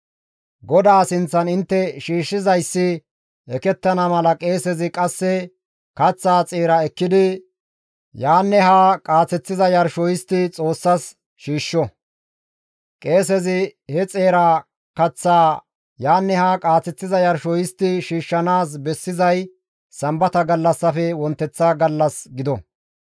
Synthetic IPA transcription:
ɡɔd̪aːsɪnt͡sːɐnɪnt̪ːɛʃiːʃːɪzɐjsːɪ | ʔɛkɛt̪ːɐnɐmɐlɐkʼe̞ːsɛzɪkʼɐsːɛ | kɐt͡sːaːt͡sʼeːɾɐɛkːɪd̪ɪ | jaːnːɛɦakʼaːt͡sɛt͡sːɪzɐjɐɾʃɔjɪst̪ɪt͡sʼo̞ːsːɐs | ʃiːʃːɔ | kʼe̞ːsɛzɪhɛt͡sʼeːɾa | kɐt͡sːaː | jaːnːɛhaːkʼaːt͡sːɛt͡sːɪzɐjɐɾʃɔjɪst̪ːɪʃiːʃːɐnaːs̬bɛsːɪzɐj | sɐmbɐt̪ɐɡɐlːɐsːɐfɛwɔnt̪ːɛt͡sːaɡɐlːɐsɡɪd̪ɔ

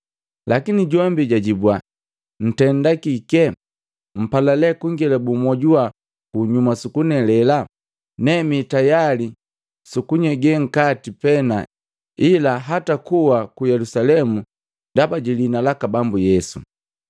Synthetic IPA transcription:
lakiniɟɔmbiɟaɟibwa | n̩tɛndakikɛ | m̩palalɛkuŋɡilabumɔɟua | kuɲumasukunɛlɛla | nɛmitajali | sukuɲɛɡɛŋ̩katipɛna | ilaɦatakuwakujɛlusalɛmu | ndabaɟilinalakabambujɛsṵ

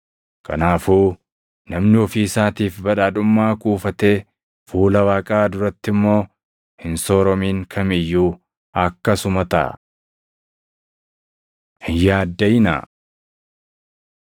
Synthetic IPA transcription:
kɐ̰naːfuː | nɐmnɪɔfiːɪsaːt̪iːfbɐᶑaːᶑʊmːaːkʼuːfɐt̪e̞ː | fuːlɐwaːkʼaːd̪ʊɾɐt̪ːɪmːo̞ː | hɪnso̞ːɾɔmiːŋkʰɐmɪjːuː | ɐkːɐsʊmɐt̪ɐ̰ | hɪnjaːd̪ːɐjɪna̰

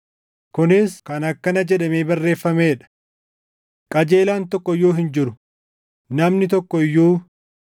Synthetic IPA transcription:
kʊnɪskɐnɐkːɐnɐd͡ʒɛᶑɐmeːbɐrːe̞ːfːɐmeːᶑɐ̥ | kʼɐd͡ʒe̞ːlaːnt̪ɔkːɔjoːɦɪnd͡ʒɪɾʊ̥ | nɐmnɪt̪ɔkːɔɪjːuː

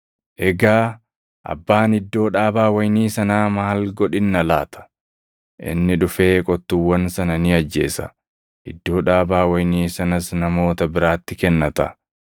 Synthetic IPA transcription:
ʔɛɡaː | ʔɐ̰bːaːnɪd̪ːo̞ːᶑaːbaːwɐjniːsɐnaːmaːlɡɔᶑɪnːɐla̰ːt̪ʰɐ̥ | ʔɪ̰nːɪᶑʊfe̞ːkʼɔt̪ːʊwːɐnsɐnɐnɪɐd͡ʒːe̞̰ːsɐ̥̰ | hɪd̪ːo̞ːᶑaːbaːwɐjniːsɐnɐsnɐmo̞ːt̪ɐbɪɾaːt̪ːɪkɛnːɐt̪ɐ̰

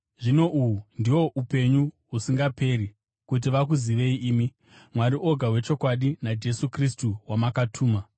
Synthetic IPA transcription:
ʐino̞ʔuwundiwo̞ʔupe̞ɲu | usiŋɡape̞ri | kut̬iʋak̬uziʋe̞iʔiːmi | mwaɾiʔo̞ɡʱaɦwe̞t͡ʃo̞kwaɗinad͡ʒe̞sukristuwamakatʰuːma

